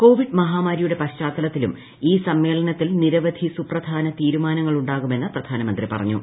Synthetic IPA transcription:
ko̞ːʋiɖmɐɦaːmaːɾijuɽe̞pɐt͡ɕaːt̪ːɐlɐt̪ːilum | iːsɐmːe̞ːɭɐnɐt̪ːilniɾɐʋɐd̪ʱisuprɐd̪ʱaːnɐt̪iːɾumaːnɐŋːɐɭuɳɖaːɣume̞nːɐprɐd̪ʱaːnɐmɐnd̪ripɐ̰rɐ̰ɲːṵ

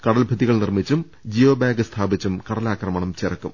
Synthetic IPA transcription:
kɐɽɐlbʱɐðiɣɐɭnirmit͡ɕːum | d͡ʑiʋɐbaːɡɨst̪ʰaːbit͡ɕːumkɐɽɐlaːkrɐmɐɳɐmt͡ɕirɐkːum

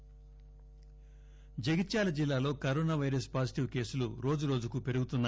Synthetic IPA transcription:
d͡ʒeɡitːt͡ʃaːlɐd͡ʒilːaːlo̞ːkɐɾoːnaːʋɐjɾɐspaːd͡ʒiʈiʋke̞ːsuluɾo̞ːd͡ʒuɾo̞ːd͡ʒukupe̞ɾuɡut̪unːɐ

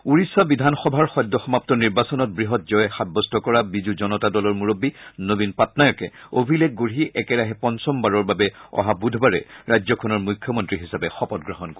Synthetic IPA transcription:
uɹisːabidʱanxɔbʱaɹxɔjdːɔxɔmap̚tɔniɹbasɔnɔt̚bɹiɦɔt̚zɔjxabːɔstʰɔkɔɹabizuzɔnɔtadɔlɔɹmuɹobːinobinpatnajɔkɛ̰obʱilɛk̚ɡoɹiʔɛkɛɹaɦɛpɔnsɔmbaɹɔɹbabɛɔ̰ɦabudʱbaɹɛ̰ɹajzɔkʰɔnɔɹmujkʰjɔmɔntɹiɦisapɛxɔpɔt̚ɡɹɔɦɔnko

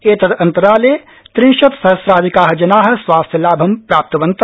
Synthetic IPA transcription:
eːt̪ɐd̪ɐ̃nt̪ɐɾaːleː | t̪ɾĩŋʃɐt̪sɐɦɐsɾaːd̪ʱikaːɦɐ̆d͡ʒɐnaːɦɐ̆swaːst̪ʰjɐlaːbʱɐmpɾaːp̚t̪ɐʋɐ̃nt̪

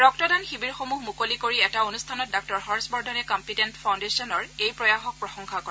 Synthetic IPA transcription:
ɹɔk̚tɔdanxibiɹxomuɦmukolikoɹiɛtaonustʰanɔt̚dak̚tɔɹxɔɹsbɔɹdʱɔnɛkɔmpitɛntfʰawndesiɔnɔɹejpɹɔjaxɔk̚pɹɔxɔŋxakɔɛ

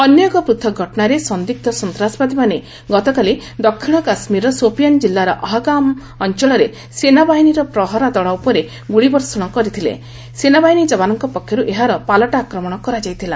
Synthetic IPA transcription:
ɔnjɔɡɔpɾut̪ʰːɔɡʱɔʈɔnaɾesɔnd̪ik̚t̪ɔsɔnt̪ɾasɔ̥bad̪imane | ɡɔt̪ɔkalid̪ɔkʰːiɭ̃ɔkasmiɾɔsopijand͡ʒilːaɾɔʔɔɦɔɡam | ɔnt͡ʃɔɭɔɾe | senabaɦiniɾɔpɾɔɦɔɾad̪ɔɭaupɔɾe | ɡuɽibɔɾsɔɽ̃ɔkɔɾit̪ʰilḛ | senabaɦiɽid͡ʒɔbanɔŋkɔpɔkʰjɔɾuʔeɦaɾɔpalɔʈaːkɾɔmɔɽ̃ɔkɔɾad͡ʒajt̪ʰila̰

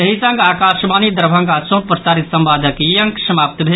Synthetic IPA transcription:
ɐɦisɐ̃ŋɡaːkaːʃmaːnid̪ɐɾbʱɐ̃ŋɡasõnpɾəsaːɾit̪sɐmbaːd̪ʱəkjɐŋksəmaːp̚t̪bʱe

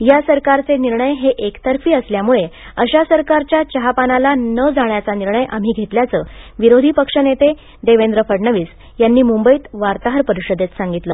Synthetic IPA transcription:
jasəɾkaɾt͡seniɾɳəjɦeʔekt̪əɾfiːəsljamuɭeəɕasəɾkaɾt͡ɕjat͡ɕəɦapanalanəd͡zaɳjat͡saniɾɳəjʔa̰m̤iːɡʱet̪ljat͡səːʋiɾod̪ʱiːpəkʂənet̪e | d̪eʋend̪ɾəfəɽɳəʋiːs | janːiːmumbəiːt̪ʋaɾt̪aɦəɾpəɾiɕəd̪et̪saŋɡit̪ləː

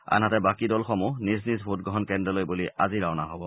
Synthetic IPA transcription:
a̰nɦatɛbakidɔlxɔmunis̬nisbʱut̚ɡɔɦɔnkɛndɔlojbuliʔa̰ziɹawnaɦobɔ

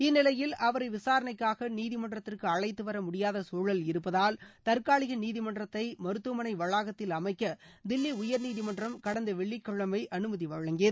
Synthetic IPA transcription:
ɪnːɪlɐjɪlʔɐʋɐɾɐɪʋɪsaːɾɐnɐɪkːaːɣɐniːðɪmɐɳdrɐt̪ːɪrkɯɐɻɐɪt̪ːɯʋɐɾɐmʊɽɪjaːðɐsoːɻɐlɪɾɯpːɐðaːlt̪ɐɾkaːɭɪɣɐniːðɪmɐndrɐt̪ːɐɪmɐɾɯt̪ːɯmɐnɐɪʋɐɻaːɣɐt̪ːɪlɐmɐɪkːɐd̪ɪlːiʊjɐɾniːðɪmɐnɖrɐmkɐɽɐnd̪ɐʋɛɭːɪkːɔɭːɐmɐɪʔɐnɯmɐðiʋɐɻɐŋɡeːð

